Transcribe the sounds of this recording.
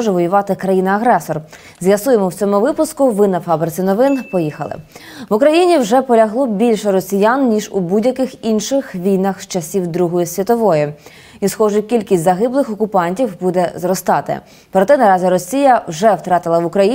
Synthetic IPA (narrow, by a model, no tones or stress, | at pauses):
ʒɛʋɔjʊʋɑt̪ɪkɾɐjinɐɐɦɾɛsɔr | zʲʋjɐsujemɔwt͡sʲɔmʊʋɪpʊskʊʋɪnɐfɑbɾɪt͡sʲɪnɔʋɪnpɔjixɐ̰lˠɪ̰ʋʊkɾɐjinʲiwʒɛpɔlʲɐɦlˠɔbʲilʲʃɛɾɔsʲijannʲiʒʊbudʲjɐkɪxinʃɪxʋʲijnɐxt͡ʃɐsʲiwd̪ɾuɦɔjʊsʲʋʲɐt̪ɔʋɔjʊ | isxɔʒʊkʲilʲkʲisʲzɐɦɪblˠɪxɔkʊpɑnʲtʲiwbud̪ɛzrɔst̪ɑt̪ɪ̰ | pɾɔt̪ɛnɐɾɑzʲiɾɔsʲijɐwʒɛwt̪ɾɑt̪ɪlˠɐʋʊkɾɐji